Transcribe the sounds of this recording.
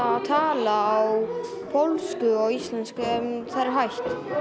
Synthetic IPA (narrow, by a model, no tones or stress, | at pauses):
t̪ʰaːlaːw | pʰowlskʏɔɣist̪lɛnskʏɛmθaðɾaɾɦajht̪